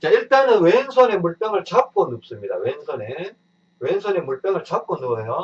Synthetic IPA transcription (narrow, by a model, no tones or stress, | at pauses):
t͡ɕaiɭt͈anɯnweŋsʰʌne̞muɭp͈aŋɯɭt͡ɕʰap̚k͈ʌnːup̚s͈ɯmɲida̰weŋsʰʌne | weŋsʰʌne̞muɭp͈jaŋɯɭt͡ɕap̚k͈ʌnːoɡsejo